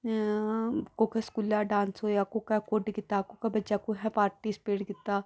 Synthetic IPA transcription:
kokɛskuljaɖãːnsɦoːjakokakoːɖɡɪt̪ːakokabɐːt͡ʃakoɦɛ̃paːɾʈispeːɽɡɪt̪ːaː

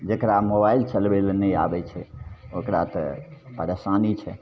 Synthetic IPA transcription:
d͡ʒekɾamobailt͡ʃəlbelnəja̰bɛt͡ʃʰɛokɾa̰t̪ɔ̰pəɾesanit͡ʃʰɛ̰

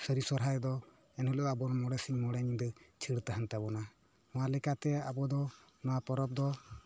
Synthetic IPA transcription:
səɾisɔɾɦaɾɛd̪ɔ | ɛnɔlɔʔabɔɾɔmɔɽɛsiŋmɔɽɛnid̪ɛt͡ʃʰiɽt̪aɦant̪abɔna | mɔwalɛkat̪ɛabɔd̪ɔ | nɔwapɔɾɔp̚d̪ɔ

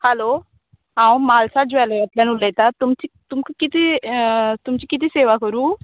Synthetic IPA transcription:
hɛlo | ɦãːũmaːlsad͡ʒɛleət̪lãnulːɛt̪at̪umt͡ɕit̪umkukit̪e | t̪umt͡ɕikit̪iseːʋakəɾuː

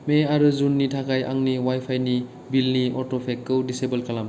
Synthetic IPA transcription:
meaɾɯzunːitʰakʰajʔa̰ŋniwajpʰajni | bilniɔɾtopʰekːɯwdisebelkalam

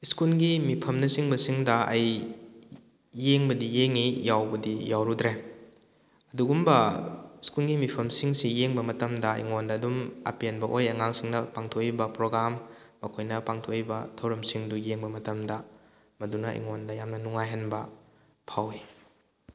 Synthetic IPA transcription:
iskulɡimipʰɐmnɐsiŋbɐsiŋdɐɐj | eŋbɐdijeŋijawbɐdijawɾudɾe | ɐduɡumbɐiskulɡimipʰɐmsiŋsijeŋbɐmɐtɐmdɐḭŋondɐːdumɐ̰pienbɐʔojɐŋaŋsiŋnɐpaŋtʰokibɐpɾoɡɾamːɐkʰojnɐpaŋtʰokibɐtʰɐwɾɐmsiŋdujeŋbɐmɐtɐmdɐ | mɐdunɐʔḭŋondɐjamnɐnuŋajɦɐnbɐ | pʰawi

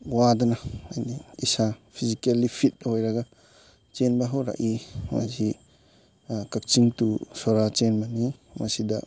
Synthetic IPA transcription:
wad̪anaajniisapʰizikalːipʰit̪̚hɔjɾaɡa | t͡ʃenbaɦɔwɾa̰ʔima̰zi | kak̚t͡ʃiŋtusɔɾat͡ʃenbanima̰sid̪a̰

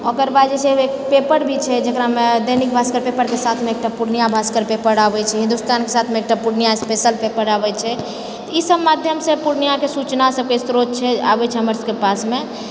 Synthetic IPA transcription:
ɔkəɾbad̪d͡ʒɛt͡ʃʰeekpepəɾbʱit͡ʃʰɛd͡ʒəkɾamed̪enik̚bʱaskəɾpepəɾkesat̪ʰmeek̚ʈapuɾnijabʱaskəɾpepəɾabɛt͡ʃʰɛɦĩnd̪ust̪ankesat̪ʰmẽek̚ʈapuɾnijaspesəlpepəɾabɛt͡ʃʰɛ | t̪ɔisəbmad̪ʱjəmsepuɾnijakesut͡ʃnasəb̚kesɾot̪t͡ʃʰɛa̰bɛt͡ʃʰɛɦəməɾskepasme

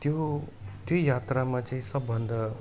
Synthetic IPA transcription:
t̪jo | t̪jojat̪ramat͡saĩsʌbːʱʌnd̪ʌ

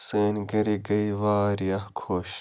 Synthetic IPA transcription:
seːnɡɐɾiɡɐiʋaːɾiɐhkʰoːɕ

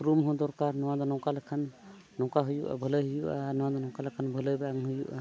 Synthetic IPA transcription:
pɾumɦɔ̃d̪ɔɾkaɾnɔwãd̪ɔnɔ̃wkalɛkʰanː | ɔ̃wkaɦujuʔa̰bʱələjɦujuanɔwad̪ɔnɔ̃wkalakʰanbʱələjbaŋɦujuʔ

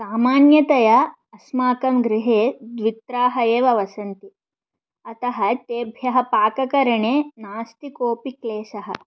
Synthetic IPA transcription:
saːmaːnjɐt̪ɐjɐ | ɐsmaːkɐmɡɾɪɦeːd̪ʋit̪ɾaːɦɐeːʋɐʋɐsɐnt̪i | ɐt̪ɐɦɐt̪eːbʱjɐɦɐpaːkɐkɐɾɐɳeːnaːst̪ikoːpikleːʃɐɦɐ̰̆

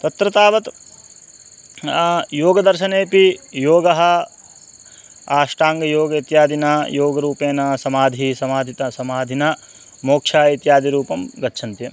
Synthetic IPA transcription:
t̪ɐt̪ɾɐt̪aːʋɐt̪ | joːɡɐd̪ɐɾʃɐneːpijoːɡɐɦɐ̆ | aːʂʈaːŋɡɐjoːɡɐit̪jaːd̪inɐjoːɡɐɾuːpeːnɐsɐmaːd̪ʱisɐmaːd̪ʱit̪ɐsɐmaːd̪ʱinɐ | moːkʂaːit̪jaːd̪iɾuːpɐmɡɐtːʃʰɐnt̪jɐ

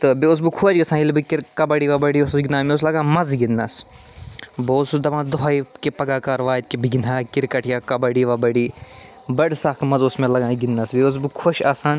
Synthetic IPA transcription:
t̪ɨbiʊs̬bɨkʰud͡ʒɡɐsãːilbɨkiɾkɐbɐɽiːʋaːbɐɽiːʊssɡinaːmẽʊs̬lɐɡãːmɐzɡɪnːɐs | boːsud̪ɐʋãːd̪ʊɦaːikipɐɡaːkaːɾʋaːd̪̚kibiɡinaːkiɾkɐʈʰjaːkɐbɐɽiːʋaːbɐɽiː | bɐɽsaːkmɐzʊsmẽlɐɡãːɡinːɐsbeʊs̬bɨkʰoʃaːsaːn

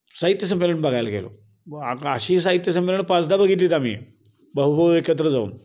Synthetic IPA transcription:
saɦit̪jəs̬əmːeləɳbaɡʱajlaɡelo̰ | aəɕiːs̬aɦit̪jəsəmːeləɳpat͡sd̪abəɡʱit̪liːt̪amḭː | bəɦubəekət̪̬ɾəd͡zaṵːn

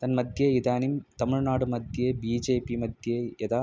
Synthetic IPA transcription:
t̪ɐnmɐd̪ʱjɐɪðaːnimt̪ɐmɪɻnaːɽɯmɐd̪ʱjɐbiːd͡ʒeːpimɐd̪jɐɛðaː

